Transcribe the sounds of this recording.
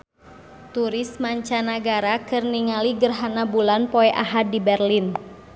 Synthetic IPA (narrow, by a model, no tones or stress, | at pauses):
t̪uɾɪsmaɲt͡ʃanaɡaɾakɨrniŋaliɡərɦanabulanpɔɛʔaɦat̚dibɛrlin